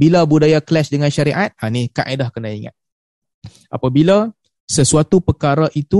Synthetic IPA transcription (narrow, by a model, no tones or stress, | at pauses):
bilabudajaklɛsdəŋanʃaɾiʔat̪̚anika̰ʔadahkənaiŋa̰t̪̚ | ʔa̰pabila | səsuat̪upəkaɾaʔit̪u